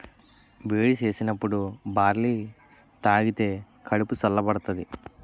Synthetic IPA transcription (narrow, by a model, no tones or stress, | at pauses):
beːɽit͡ʃe̞ːsinɐpːuɽubaːɾliː | t̪aːɡit̪e̞ː | kʰɐɽupusɐlːɐbɐɽɐt̪ɐd̪i